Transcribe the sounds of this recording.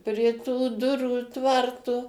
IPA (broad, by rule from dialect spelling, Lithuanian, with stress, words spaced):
pʲrʲiɛ tuː ˈdʊruː ˈtʋɐrtʊ